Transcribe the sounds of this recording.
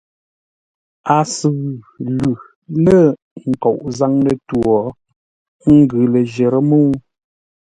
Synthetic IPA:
a˨sɨ˨ɣʉ˨ | lʉ˨ | lə˦˨ | ŋ̩˨kɔ˨ʔza˦ŋlə˦˨twɔ˨ | ŋ̩˦ɡʉ˨lə˨ʒe˨ɾə˦mo˦

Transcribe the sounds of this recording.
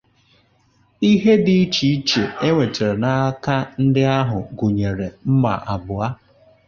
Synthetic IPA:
i˦ɦe˦dɪ˦i˦t͡ʃi˨i˦t͡ʃe˨e˦ŋʷe˨te˨ɾe˨na˦ka˦n̩˦dɪ˦a˦ɦʊ˨ɡu˨ɲe˨ɾe˨m̩˦ma̰˨ʔa˨bʊ˨a˦

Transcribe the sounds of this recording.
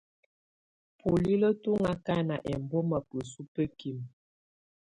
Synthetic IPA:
pu˨li˦lə˦tu˦ŋa˦ka˦na˨ʔɛ˨mbo˦ma˨pə˨su˦pə˦ki˦˨m

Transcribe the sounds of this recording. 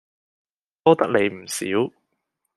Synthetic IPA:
t̪ɔː˥t̪ɐ˥k̚ne˨˧jm̩˨˩sḭː˨˥w

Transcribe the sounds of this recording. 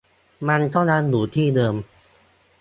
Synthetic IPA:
ma˧nt̪ɔ˥˩ŋnaː˧nduː˨˩˦t̪ʰiː˥˩dɤː˧m

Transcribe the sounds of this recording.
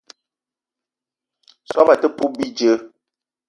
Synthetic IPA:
sɔ˦ma˨tə˦pu˦bi˦d͡ʒə˨˦

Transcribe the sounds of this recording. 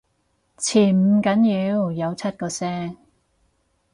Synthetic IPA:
t͡sʰiː˨˩m̩˨˧kɐ˨˥njiː˨˧˥wjɐ˨˧wt͡sʰɐ˥t̚kɔː˧sɛː˥ŋ

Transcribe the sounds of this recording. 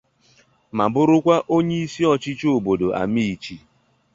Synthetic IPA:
ma˨bʊ˦ɾʊ˦kʷa˦ʔo˦ɲe˦i˦si˦ɔ˦t͡ʃɪ˦t͡ʃo˨bo˨do˨ʔa̰˨mi˦i˨t͡ʃi˦

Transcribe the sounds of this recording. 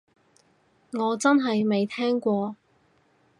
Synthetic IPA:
ŋɔː˨˧t͡sɐ˥nɦɐ˨jme˨jt̪ʰɛː˥ŋkʷɔː˧

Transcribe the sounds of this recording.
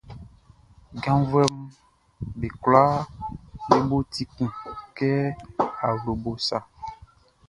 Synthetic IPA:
ɡã˦vɛ˦m˦ | be˨kla˦ | le˦bo˦t̪i˦kũ˨kɛ˦a˨lo˨bo˨sa˨

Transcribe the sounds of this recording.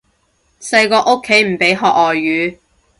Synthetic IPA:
sɐ˧jkɔː˧ʔo˥kʰːe˨˥jm̩˨˩pe˨˥jɦɔː˨k̚ɔː˨jːyː˨˥

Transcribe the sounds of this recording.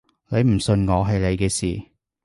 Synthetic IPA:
le˨˧jm̩˨˩sɵ˧nŋɔː˨˧ɦɐ˨jle˨˧jkɛː˧siː˨˩

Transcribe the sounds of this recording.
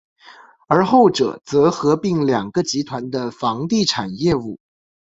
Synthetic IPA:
ə˞˧˥xo˥˩ʊʈ͡ʂɤ̰˨˩t͡sɤ˧˥xɤ˧˥pi˥˩ŋljɑ˨˩ŋɡə˦t͡ɕi˧˥t̪ʰwa˧˥nd̪ə˧fɑ˧˥ŋt̪i˥˩ʈ͡ʂʰa˨˩njɛ˥˧u˥˩

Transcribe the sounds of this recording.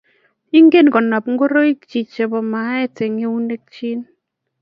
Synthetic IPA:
i˦ŋɡe˦˨nkɔ˨na˨pŋ˦ɡo˦ɾo˦i˦kt͡ʃi˨t͡ʃe˨bɔ˨ma˨˦ɛ˦te˨ŋe˦u˦ne˦k̚t͡ʃi˦n

